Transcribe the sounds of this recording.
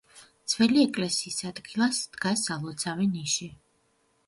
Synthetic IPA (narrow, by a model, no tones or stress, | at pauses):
t̪sʰvɛliɛkʼlɛsiːsad̪ɡilˠasd̪̥ɡasalˠɔt̪sʰavɛniʃi